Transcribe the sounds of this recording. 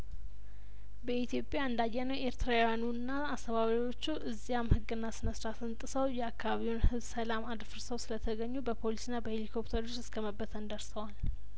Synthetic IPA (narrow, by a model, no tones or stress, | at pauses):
bəit̪jo̞pʼjaɨnd̪ajːɛnəwʔe̞ɾt̪ʰɾajanunːaːst̪ʰəβaβɾawo̞t͡ʃːuʔɨzːijamhɨɡɨnːasɨnəsɾat̪ɨnt̪ʼɨsəwjɛakʰːaβaβiwunhɨβsəlamad̪fɨɾsəwsɨlət̪ʰəɡəɲːubəpʰo̞lisɨnːabəhe̞likʰo̞pt̪ʰəɾot͡ʃːɨ̥skʰəməbːət̪ʰənd̪əɾsəwal